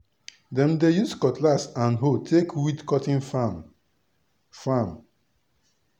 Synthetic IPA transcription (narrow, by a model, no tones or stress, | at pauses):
dɛ̃mdejuskɔtlasãnɦotʰekwidkɔtĩnfam | fam